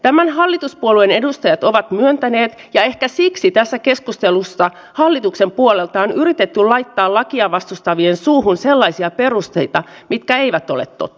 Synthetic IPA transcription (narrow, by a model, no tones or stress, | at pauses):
t̪æmænɦɑlːit̪uspuoluene̞dust̪ɑjɑt̪o̞ʋɑt̪myønt̪æneːt̪jɑehkæsiksit̪æsːæke̞skust̪elusːɑ | hɑlːit̪ukse̞mpuolelt̪ɑonyɾit̪et̪ːyllɑjt̪ːɑːlɑkiɑʋɑst̪ust̪ɑʋiensuːɦunse̞lːɑisiɑpe̞rust̪ejt̪ɑ | mit̪kæe̞iʋæt̪olḛt̪ːo̰t̪ː